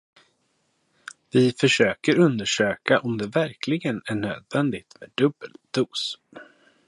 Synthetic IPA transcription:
vɪfœʂøːkəɾɵnd̪əʂøːkaʔɔmd̪ɛvæɾkʰlɪɡənæɳø̰ːd̪vɛnd̪ɪt̪mɛːd̪ɵbəld̪̥uːs

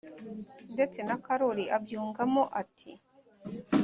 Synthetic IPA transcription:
ndet͡senakaɾoɾiʔabjuːŋɡamoʔatʰi

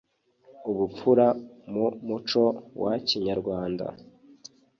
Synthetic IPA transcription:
uβup̪p͡fuɾamumut͡ʃo̞wʔaciɲaɾɡwaːnda̰

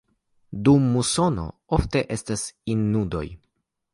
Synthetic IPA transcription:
dumːuso̞no̰ofte̞ʔe̞stasinːudo̞̰j

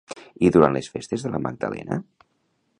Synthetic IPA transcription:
iðuɾanlesfest̪ezðələməɡ̚d̪əlɛ̰nə̰

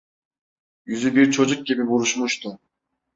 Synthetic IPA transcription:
jyzybiɾt͡ʃʰo̞d͡ʒuk̚ɡʲibibuɾuʃmuʃt̪u

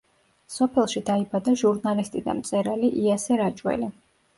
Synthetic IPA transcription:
sɔpʰɛlˠʃid̪aibad̪aʒuɾnalist̪ʼid̪a̰mt̪sʼɛɾaliʔiasɛɾat͡ʃʼwɛ̰li

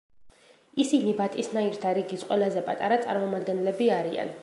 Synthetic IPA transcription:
isinibat̪ʼisnaiɾt̪ʰaɾiɡisqʼwɛlˠazɛpʼat̪ʼaɾat̪sʼa̰ɾmɔmad̪ɡɛnɛlɛbiaɾia̰n

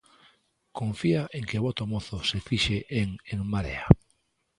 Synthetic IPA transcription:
kõɱfiaʔeŋkeβɔt̪omoθosefiʃeʔeŋeŋmaɾḛa

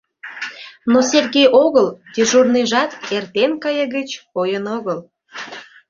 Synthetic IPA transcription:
noserɣejʔoɣəld̪iʒurniʒɑt̪ert̪enkɑjəɣət͡ɕojənoɣəl

